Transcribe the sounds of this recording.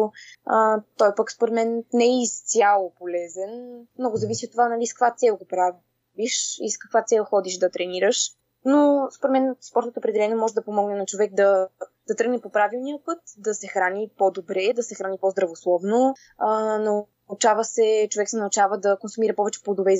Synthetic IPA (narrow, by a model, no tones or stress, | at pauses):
ət̪ɔjpəkspoɾɛt̪mɛnnɛist̪sʲjalˠopolɛzɛnmnɔɡʊzɐvisiot̪ːovanɐliskəkvat̪sɛlˠɡopɾav | viʃḭskɐkvat̪sɛlˠxɔd̪iʃd̪ɐt̪ɾɛniɾəʃ | nospoɾɛt̪mɛnspɔɾt̪ot̪oːpɾɛd̪ɛlɛniɛmɔʒɛd̪ɐpomɔɡnɛnɐt͡ʃovɛk̚d̪ɐd̪̥ɐt̪ɾɤɡnɛpopɾavilˠnijəpɤt̪d̪ɐsɛxɾanipod̪obɾɛd̪ɐsɛxɾanipɔzd̪ɾɐvoslˠɔvno | ənɐ | t͡ʃavəsɛt͡ʃovɛksɛnɐut͡ʃavəd̪ɐkonsumiɾɐpɔvɛt͡ʃɛ̥plˠod̪ovɛiz